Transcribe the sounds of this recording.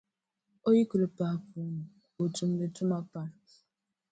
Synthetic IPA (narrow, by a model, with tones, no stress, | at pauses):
o˦ji˦ku˨ɾe˨pa˨pu˨m̩˨ | o˨tu˨m̩˦le˨tu˦ma˦pa˦˨